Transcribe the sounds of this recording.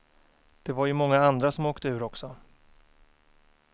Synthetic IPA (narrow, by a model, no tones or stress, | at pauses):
d̪̥ɛvaɾjɵmɔŋːaand̪ɾasɔmoːkt̪əʉ̟ːɾɔksɔ